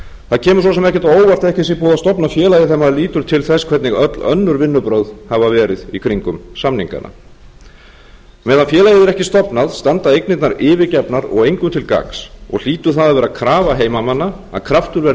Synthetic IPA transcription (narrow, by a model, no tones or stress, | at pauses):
θaðcʰɛːmʏsɔs̬ɛmɛhcɛɾt̪aoːwvar̥t̪aɛhcɪsipuːðast̪ɔpnafjɛːlajɪθɛmːaɾliːt̪ʏɾ̥t̪ʰɪlθɛskʰvɛt̪nɪɣœt̪lœ̰nːʏɾvɪnːʏpɾowð̥havavɛːɾɪðikʰvɾiŋkʏmsamniŋka̰nʔa̰ | mɛːðanfjɛːlajɪðɛɾɛhcɪst̪ɔpnaðst̪ant̪aejknɪt̪naɾɪːvɪcɛpnaɾɔ̰ɣejŋkʏt̪ʰɪlka̰ksɔ̰ɣl̥iːt̪ʏ̥θaðaðvɛːɾakʰɾaːvaɦeːjmamanːa | a̰ðkʰɾaft̪ʏɾvɛ